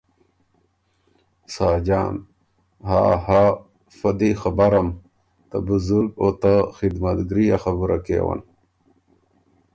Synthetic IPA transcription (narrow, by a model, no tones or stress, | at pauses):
saːd͡ʑaːn | ɦa̰ha | fɐd̪ixɐbaɾɐm | t̪ɐ̰buzuɾɡot̪axid̪mɐt̪ɡɾijaxɐbuɾakḛːwa̰n